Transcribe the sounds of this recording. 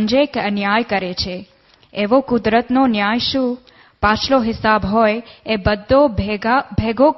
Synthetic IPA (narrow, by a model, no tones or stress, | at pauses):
ɲd͡ʒekənjajkəɾet͡ʃʰe | eʋokʊd̪ɾət̪nonjajʃũ | pat͡ʃʰloɦɪsabɦɔjebəd̪ʱːo | bʱeɡo